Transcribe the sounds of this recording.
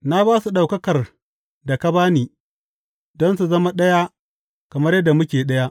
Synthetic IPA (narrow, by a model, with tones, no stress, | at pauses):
na˦baː˦su˨ɗa˨wkɐ˦kɐ˨r | da˨kɐ˦baː˦niː˨ | dɔ˦nsu˨zɐ˦ma˦ɗɐ˦ja˦ | kɐ˨mɐ˦rjɐ˦dːa˨mʊ˦kʲeː˨ɗɐ˦ja˦ʔ